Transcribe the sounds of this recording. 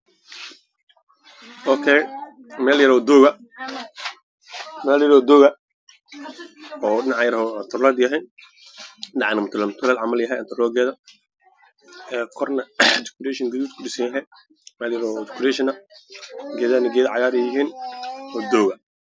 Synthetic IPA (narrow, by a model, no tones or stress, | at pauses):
ʔɔkʰɛj | mɛːljɐɾɔːd̪ɔːɣɐ | mɛːljɐɾɔːd̪ɔːɣɐ | ɔːɖɪnɑʕjɐɾhɔnt̪ʰʊrlaːd̪jɐɦɛj | dɑʕnɐmʊt̪ʰlɛmʊt̪ʰʊlɛːlʕɑmɐljɐɦɛjant̪ʰʊɾlɔːɡɛːðɐ | ɛːkʰɔrnɐd͡ʒɪ̥kʊɾɛːʃɪŋɡɐðuːt̪kʰʊɗɪsɐnjɐɦɛj | mɛːljɐɾɔːd͡ʒɪ̥kʰʊɾɛːʃɪnɐ | ɡɛːðaːnɪɡɛːðʕɑjaːɾɛjɦiːnɔːd̪ɔːɣɐ